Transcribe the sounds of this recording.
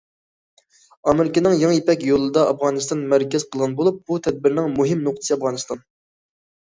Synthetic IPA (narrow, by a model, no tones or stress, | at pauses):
ɑmɪɾɪkʲɪnɪŋjɑŋjepɛkʲjolˠɨd̪ɑɑfʁɑːnɨst̪ɑnmæɾkʲɛz̥qʰəlˠʁɑnbolˠup̚but̪ʰɛd̪̚bɪɾnɪŋmuɦɪmnoq̚t̪ʰɨ̥sɨɑfʁɑːnɨst̪ɑn